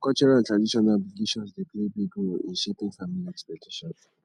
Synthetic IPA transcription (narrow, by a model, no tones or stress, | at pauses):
kɔlt͡ʃɔɹaltɹadiʃɔnabliɡeʃɔ̃nsdepʰlebiɡulḭ̃nʃepɪ̃ŋfamiliɛkspɛtiʃɔ̃ns